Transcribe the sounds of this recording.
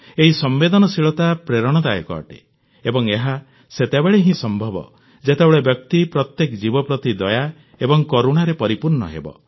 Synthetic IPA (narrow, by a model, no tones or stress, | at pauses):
eɦisɔmbed̪ɔnɔsiɭɔt̪apɾeɾɔɽ̃ɔd̪ajɔ̰kɔ̰ːʈḛ | ebɔŋeɦa | set̪ebeɭeɦĩsɔmbʱɔbɔ̰ | d͡ʒet̪ebɔɭebjɔk̚t̪ipɾɔt̪jekd͡ʒibɔpɾɔt̪id̪ɔja | ebɔŋkɔɾuɽ̃aɾepɔɾipuɾnɔ̰ɦḛbɔ̰